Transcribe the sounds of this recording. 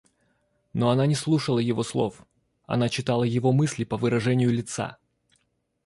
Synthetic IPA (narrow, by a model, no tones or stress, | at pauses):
noɐnanʲɪslˠuʂəlˠəjɪvo̞slˠo̞̰f | ɐ̰nat͡ɕɪt̪alˠəjɪvomɨsʲlʲɪpəvɨɾɐʐɛnʲɪjʊlʲɪt̪sa̰